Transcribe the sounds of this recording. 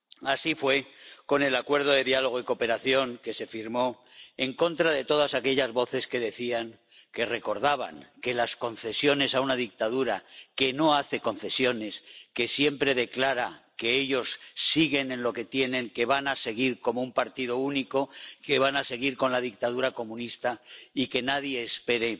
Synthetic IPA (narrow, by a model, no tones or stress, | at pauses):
asifwe̞ko̞ne̞lakwe̞ɾð̞o̞ðe̞ðjalo̞ɣ̞oiko̞pe̞ɾaθjo̞ŋke̞se̞fiɾmo̞ | e̞ŋko̞nt̪ɾaðe̞t̪o̞ð̞asake̞ʎazβo̞θe̞ske̞ðe̞θiaŋ | ke̞re̞ko̞ɾðaβ̞a̰ŋke̞lasko̞nθe̞sjo̞ne̞saunaðik̚t̪aðuɾake̞no̞aθe̞ko̞n̟θe̞sjo̞ne̞ske̞sje̞mpɾe̞ðe̞klaɾake̞eʎo̞sːiɣe̞nẽ̞nlo̞ke̞t̪je̞nẽ̞ŋke̞βanase̞ɣ̞iɾko̞moumpaɾt̪iðo̞uniko̞ke̞βanase̞ɣ̞iɾko̞nlaðik̚t̪aðuɾako̞mũnist̪aike̞naðje̞ːspe̞ɾe̞